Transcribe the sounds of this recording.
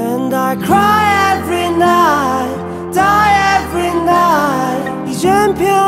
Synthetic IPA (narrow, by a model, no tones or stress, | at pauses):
ɨ̃ndaɪkʰɹ̥aɪɛvɹinaɪt | d̥aɪɛvɹinaɪ | jɨd͡ʒɛ̃mpʰɪ̃